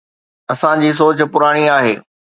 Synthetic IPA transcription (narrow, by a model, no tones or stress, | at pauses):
ɐsãd͡ʑiːs̬oːt͡ɕ̆pʊɾaːɽ̃iaːɦḛː